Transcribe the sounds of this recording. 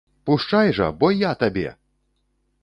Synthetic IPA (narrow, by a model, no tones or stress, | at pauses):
puʂt͡ʂajʐɐ̰bɔjat̪abʲɛ̰